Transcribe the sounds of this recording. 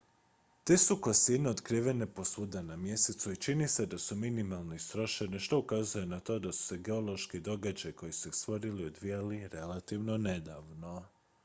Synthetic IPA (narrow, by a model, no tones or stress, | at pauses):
t̪e̞sukosineod̪kɾiːʋe̞ne̞po̞sud̪anamje̞set̪suit͡ʃinise̞d̪asuminimalˠnoist̪ɾo̞ʃe̞neʃt̪o̞ukaːzujenat̪o̞ːd̪asu̥se̞ɡe̞o̞lˠo̞ʃkid̪o̞ɡad͡ʒajko̞jisu̥est̪ʋo̞ɾilio̞d̪ʋijaliɾe̞lat̪iʋno̞ne̞d̪aʋno̞